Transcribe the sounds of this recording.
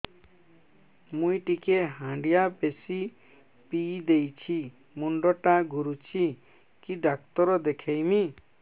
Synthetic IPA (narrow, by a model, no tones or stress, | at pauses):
mũiʈikeɦãɳɖijapesi | piːd̪ejt͡ʃʰi | muɳɖɔʈaɡʱuɾut͡ʃʰi | kiɖak̚t̪ɔɾɔd̪ekʰejmi